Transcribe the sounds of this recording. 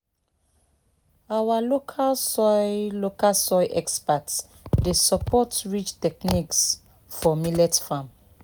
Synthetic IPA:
awalokʰalsɔjlokalsɔjʔɛkspats | desəpɔtɹit͡ʃtɛk̚niks | fɔmilɛtfãm

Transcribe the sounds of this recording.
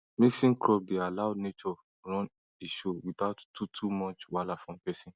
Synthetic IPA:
miksĩŋkɹɔb̚dealaʊnet͡ʃɔ | ɹɔ̃n | eʃowitaʊttːutʰumɔt͡ʃwalafɹɔ̃mpɛsĩn

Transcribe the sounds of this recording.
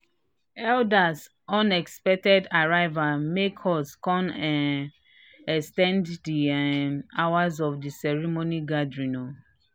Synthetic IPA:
ɛldas | ɔ̃nɛkspɛk̚tɛdaɹaɪvamekhɔskɔ̃nɛ | ɛkstɛ̃nddi | awazɔfdisɛɹimoniɡadɹino

